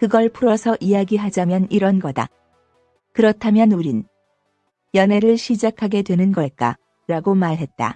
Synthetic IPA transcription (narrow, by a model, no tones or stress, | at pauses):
kɯɡʌɭpʰuɾʌsʰʌʔijaɡiɦad͡ʑamjʌniɾʌnɡʌda̰ | kɯɾʌtʰamjʌnuɾin | jʌne̞ɾɯɭɕʰid͡ʑakʰaɡe̞dwe̞nɯnɡʌɭk͈a̰ | ɾaɡomaɭɦe̞t̚t͈a̰